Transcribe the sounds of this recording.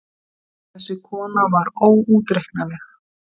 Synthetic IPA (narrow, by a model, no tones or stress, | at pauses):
θɛsːɪkʰɔːnavaɾoːwuːt̪ɾehknalɛx